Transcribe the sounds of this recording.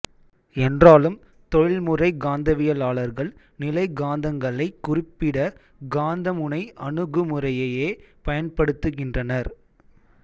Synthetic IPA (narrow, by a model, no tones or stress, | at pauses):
ɛndraːlɯm | t̪ɔɻɪɭmɯrɐɪɡaːnd̪ɐʋɪjɐlaːɭɐɾɣɐɭ | nɪlɐɪɡaːnd̪ɐŋɡɐɭɐɪkːʊrɪpːɪɽɐ | ɡaːnd̪ɐmɯɳɐɪʔɐɳɯɣɯmɯrɐjɐjeːpɐjɐnpɐɽɯt̪ːɯɣɪndrɐnɐɾ